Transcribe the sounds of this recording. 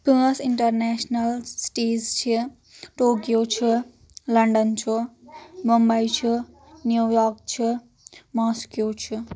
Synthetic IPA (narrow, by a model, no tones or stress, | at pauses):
pisiɳʈərnesnɐlsi̥ʈid͡zt͡ʃʰi | ʈokjot͡ʃʰu | lɐɳɖənt͡ʃʰumɔmbajt͡ʃʰu | njujɔɾk̚t͡ʃʰi | mɔskjot͡ʃʰu